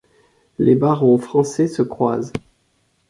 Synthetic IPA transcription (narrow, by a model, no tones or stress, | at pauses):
lebaʁõfχɑ̃sɛsəkχwaːz